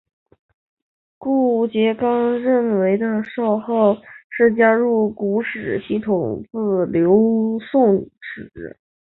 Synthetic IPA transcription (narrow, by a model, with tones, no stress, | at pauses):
ku˥˩t͡ɕjɛ˧˥kɑ˥ŋɻə˥˩nwe˧˥ɪd̪ə˧ʂɑ˥˧ʊxɑ˥˧ʊʂɻ̩˥˩t͡ɕja˥ɻu˥˩ku˧˥ʂɻ̩˨˩ɕi˥˩t̪ʰʊ˨˩ŋt͡sɹ̩˥˩ljo˧˥ʊsʊ˥˩ŋʈ͡ʂɻ̩̰˨˩˦